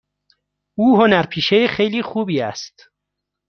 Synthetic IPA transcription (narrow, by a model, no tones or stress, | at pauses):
ʔuːɦonæɾpʰiːʃejexejliːxuːbiːæ̰st̪